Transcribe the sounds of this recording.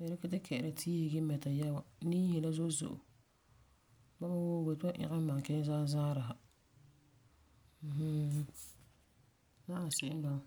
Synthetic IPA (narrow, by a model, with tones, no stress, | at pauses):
nɛ˨ɾɪ˦kɪ˦tɪ˦kʰɛ˨ʔɾɪ˨tʰi˦e˨ɡɪ˦mɛ˨ta˨ja˦wa˨niː˦jɛ˨la˦zo˦zʊ̰˨ʔʊ̰˨ | ba˦ma˦wo˦we˨ta˦ʔɪ̰˦ɣɪ˦ma˨ŋ˨kɛ˦n˦zaː˦zaː˦ɾa˨ɦa˨ | h̩˦ | na˦a˨sɪ˦˨ɪ˦n˦ba˨